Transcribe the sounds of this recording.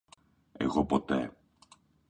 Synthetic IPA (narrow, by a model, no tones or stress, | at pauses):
ḛɣopot̪e